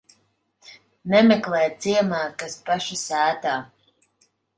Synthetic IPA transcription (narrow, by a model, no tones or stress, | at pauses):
nɛmeklˠɛːjt̪siɛmaːkaspaʃasæːt̪aː